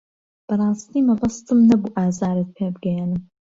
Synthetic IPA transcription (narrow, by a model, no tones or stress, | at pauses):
pʰɐɾaːstʰiːmɐʁɐstʰɨmnɐbuʔaːzaːɾɐt̚pʰeːbɡɐjanɨm